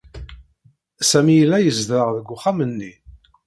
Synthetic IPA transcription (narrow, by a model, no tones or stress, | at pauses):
sæmijəlːæjəzðɾəʁðəɡʷːʊχamənːi